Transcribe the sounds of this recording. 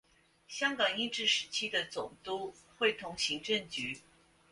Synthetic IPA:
ɕjɑ˥ŋkɑ˨˩ŋi˥˧ʈ͡ʂɻ̩˥˩ʂɻ̩˧˥t͡ɕʰi˥d̪ə˨t͡sʊ˨˩ŋt̪u˥ | xwe˥˩ɪt̪ʰʊ˧˥ŋɕi˧˥ŋʈ͡ʂə˥˩ŋt͡ɕy˧˥

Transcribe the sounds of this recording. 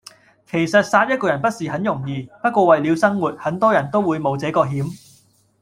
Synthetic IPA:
kʰe˨˩jsɐ˨t̚saː˧t̚jɐ˥kɔː˧jɐ˨˩npɐ˥t̚siː˨hɐ˨˥njʊ˨˩ŋjiː˨˧pɐ˥t̚kʷɔː˧wɐ˨jli˨˧wsɐ˥ŋwuː˨˩t̚hɐ˨˥nt̪ɔː˥jɐ˨˩nt̪o˥wuː˨˧jmo˨˧wt͡sɛː˨˥kɔː˧ɦiː˨˥m

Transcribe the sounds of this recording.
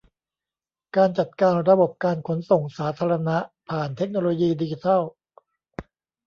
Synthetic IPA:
kaː˧nt͡ɕa˨˩t̪̚kaː˧nɾa˧bo˨˩p̚kaː˧nkʰo˩˦nso˨˩ŋsaː˩˦˥t̪ʰaː˧ɾa˧na˦˥ʔpʰaː˨˩nt̪ʰe˦˥k̚noː˧loː˧jiː˧di˧t͡ɕi˧t̪ʰa˥˩w

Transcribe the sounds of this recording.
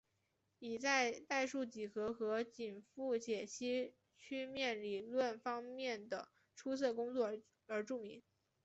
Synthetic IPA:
i˨˩t͡sa˥˧ɪt̪a˥˧ɪʂu˥˩t͡ɕi˨˩xɤ˧˥xɤ˧˥t͡ɕi˨˩nfu˥˩t͡ɕjɛ˨˩ɕʰi˥ | t͡ɕʰy˥˧mjɛ˥˩nli˨˩lwə˥˩nfɑ˥ŋmjɛ˥˩nd̪ə˩ | ʈ͡ʂʰu˥sɤ˥˩kʊ˥ŋt͡swɔ˥˩ | ə˞˧˥ʈ͡ʂu˥˩mḭ˧˥ŋ

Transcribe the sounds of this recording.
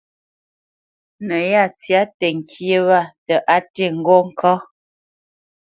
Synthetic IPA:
nə˨ja˦˨t͡sja˨˦tə˨ŋ̩˨kʰje˦wa˦˨tə˨ʔa˦te˦˨ŋ̩˨ɡɔ˦ŋ̩˦kʰɔ˦

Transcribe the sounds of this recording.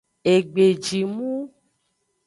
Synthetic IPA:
e˨ɡ͡be˨d͡ʒi˨mũ˦

